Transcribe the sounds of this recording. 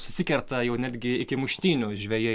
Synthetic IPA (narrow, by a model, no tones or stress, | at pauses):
sʊsʲɪkʲɛɾt̪ɐjɛʊnʲæːd̪ʲɡʲɪɪkʲɪmʊʃʲt̪ʲiːnʲʊʒʲʋʲɛjɛ